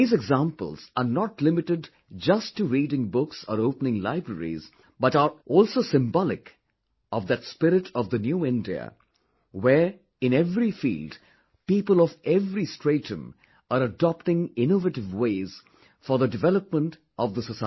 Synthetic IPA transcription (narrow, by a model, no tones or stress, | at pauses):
iːzɛɡzæ̃mpə̰lz̥əɾnɔʈlɪmɪʈɪɖ | d͡ʒʌstːuɾiːɾɪ̃ŋbʊksə̰ɾoʊpənɪ̃ŋla̰ɪbɾəɾḭz | bʌʈaɾʔɔlsoːsɪ̃mbɔlɪ̰k | ʔɔvd̪ɨtspɪɾɪʈʰɔvðənjuɪ̃ndiə̰ | wɛɾ | ɪ̃nɛvɾifḭːld | piːpəlɔvɛvɾistɹ̥eɪtə̃m | aɾədɑpʈɪ̃ŋɪ̃novəʈɪvweɪz̥ | fɔɾðədɪvɛləp̚mə̃nt | ʔɔvd̪ðəsəsa